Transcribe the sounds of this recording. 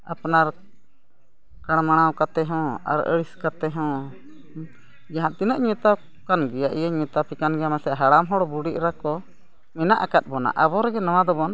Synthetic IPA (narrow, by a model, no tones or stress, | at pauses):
apnaɾ | kaɽ̃maɽ̃awkat̪ɛɦɔ̃a̰ɾə̰ɽiskat̪ɛɦɔ̃ | d͡ʒaɦãʔt̪inəʔɲɛ̃t̪a | kanɡɛjaʔijaɲɛ̃t̪apikanɡɛjamasɛʔɦaɽamɦɔɽbuɽiʔ̚ɾakɔ | mɛnaʔakat̪̚ˀbɔna̰ʔabɔɾɛɡɛnɔw̃ad̪ɔbɔn